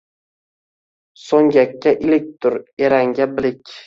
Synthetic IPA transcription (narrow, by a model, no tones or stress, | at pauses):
soŋɡʲakʲʰːaʔɪlɪk̚ʲt̪ʰʊɾeɾaŋɡʲabɪlɪkʲ